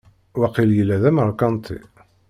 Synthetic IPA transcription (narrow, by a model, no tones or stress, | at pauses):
wæqiljəlːæðæməɾˤkɑnt̪ˤʰḭ